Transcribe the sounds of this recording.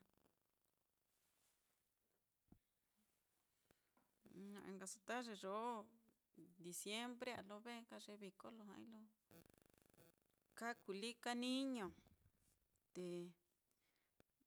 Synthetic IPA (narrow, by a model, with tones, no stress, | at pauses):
ɲã˧ʔḛ̃˧ŋɡa˧su̥˧t̪a˦ʐe˧ʐo˨˦ | d̪i˨sje˦mbɾe˦a̰˨lo˧βe˦ka˧ʐe˧βi˧ko˦lo˧ɦã̰˧ḭ̃˦lo˧˦ | ka˦ku˨li˦ka˦nĩ˦ɲõ˨ | t̪e˨